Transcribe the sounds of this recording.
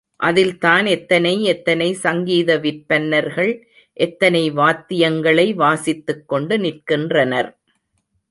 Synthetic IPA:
ʔɐðɪlt̪aːnɛt̪ːɐnɐɪɛt̪ːɐnɐɪsɐŋɡiːðɐʋɪɾpɐnːɐɾɣɐɭ | ʔɛt̪ːɐnɐɪʋaːt̪ːɪjɐŋɡɐɭɐɪʋaːsɪt̪ːɯkːɔɳɖɯnɪrkɪndrɐnɐɾ

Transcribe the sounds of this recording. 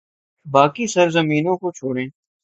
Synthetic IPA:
baːkisɐɾzɐmiːnõkot͡ʃʰoːɽẽː

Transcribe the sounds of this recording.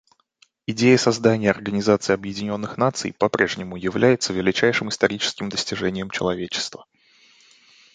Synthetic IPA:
ɪdʲejəsɐzd̪anʲɪjəɐrɡənʲɪzat̪sɨɪɐbjɪdʲɪnʲo̞nːɨxnat̪sɨ̰jpɐpɾʲe̞ʐnʲɪmʊjɪvlʲæjɪt̪səvʲɪlʲɪt͡ɕæjʂɨmɨst̪ɐɾʲit͡ɕɪ̥skʲɪmd̪əsʲtʲɪʐɛnʲɪjəmt͡ɕɪlˠɐvʲet͡ɕɪ̥st̪və

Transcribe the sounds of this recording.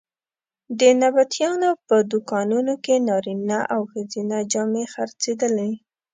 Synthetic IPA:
d̪ənabat̪jɑnopəd̪ʊkɑnunokenɑɾinaʔawxəzinad͡ʒɑmexaɾt͡sed̪əle

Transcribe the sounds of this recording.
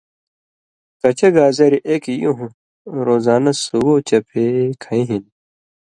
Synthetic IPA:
t̪ɐt͡ɕɐɡaːzɐɾiʔekijuɦũ | ɾoːzaːnɐsuɡot͡ɕɐpʰekʰɐĩɦin

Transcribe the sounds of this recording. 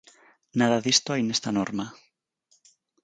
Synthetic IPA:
naðaðist̪oajnest̪anoɾma

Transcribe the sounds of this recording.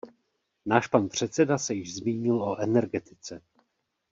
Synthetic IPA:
naːʃpanpr̝̥ɛt̪sɛdasɛjɪʒzmiːɲɪlʔoʔɛnɛɾɡɛt̪ɪ̥t͡sɛ

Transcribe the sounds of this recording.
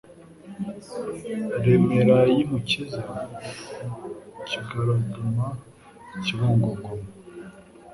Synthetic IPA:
ɾemeɾajimuciza | ciɡaɾaduma | ciβoːŋɡoɡomo

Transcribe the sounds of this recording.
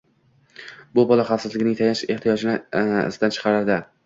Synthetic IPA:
bʊbɒlaχɑfsɪzlɪɡʲɪnɪŋt̪ʰajaʃe̞ht̪ʰijɒd͡ʒɪnɪ̰sɪd̪ant͡ʃʰɨ̥qʰɑɾɪɾd̪ɪ

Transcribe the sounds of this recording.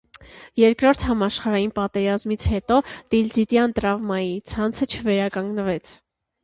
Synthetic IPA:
jɛɾkɾɔɾt̪ʰhɑmɑʃχɑɾɑjinpɑt̪ɛɾɑzmit͡sʰhɛt̪ɔt̪ilzit̪jɑnt̪ɾɑvmɑjit͡sʰɑnt͡sʰət͡ʃʰəvɛɾɑkɑŋɡnəvɛt͡sʰ

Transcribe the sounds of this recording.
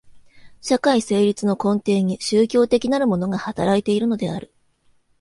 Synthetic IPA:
ɕakaise̞ːɾʲit͡sɨno̞kõ̞nt̪e̞ːɲ̟iɕɨːkʲo̞ːt̪e̞kʲinaɾɯ̟mo̞no̞ɡahat̪aɾait̪e̞iɾɯ̟no̞d̪e̞a̰ɾɯ̟

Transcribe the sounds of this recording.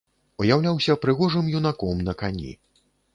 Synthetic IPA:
ujawlʲawsʲɐpɾɨɣɔʐɨmjunakɔmnɐkanʲḭ

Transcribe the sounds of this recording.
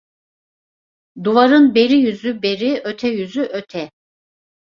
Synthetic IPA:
d̪uvaɾɯnbeɾijyzybeɾiøt̪ʰɛjyzyʔøt̪ʰɛ

